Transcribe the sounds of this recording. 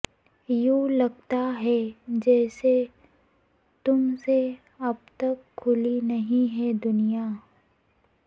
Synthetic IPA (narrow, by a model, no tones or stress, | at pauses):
juːlɐɡ̚t̪aɦɛd͡ʒɛːse | t̪ʊmse | ɐb̚t̪ɐkʰːʊlinɐɦĩɦɛd̪ʊnija